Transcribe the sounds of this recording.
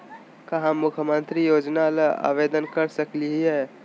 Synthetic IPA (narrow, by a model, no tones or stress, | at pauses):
kəɦãmukʰjəmənt̪ɾijod͡ʒnalea̰bed̪ənkəɾsəkliɦiɦɛ